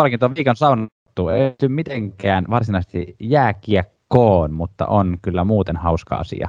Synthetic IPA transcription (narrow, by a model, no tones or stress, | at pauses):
ɑlkint̪oʋiːkonsɑun | t̪ːuːḛˑit̪ymmit̪eŋkæːnʋɑrsinɑˑisest̪ḭjæːkiækːoːnmut̪ːɑ̰ʔonkylːæmuːt̪enhɑuskɑ̰ɑ̰sḭɑ̰